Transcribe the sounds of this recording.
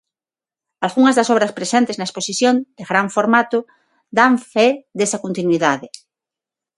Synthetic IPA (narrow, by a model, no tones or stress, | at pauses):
alɣuŋɐzðasoβɾɐspɾesẽnt̪eznaesposiθjond̪̥eɣɾaɱfoɾmat̪o | d̪aɱfeðesakont̪inwiðaðe